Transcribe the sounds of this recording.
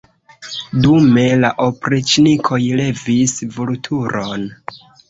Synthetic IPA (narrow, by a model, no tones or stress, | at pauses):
dume̞laʔopɾit͡ʃnikʰo̞jle̞visvultʰuɾo̞n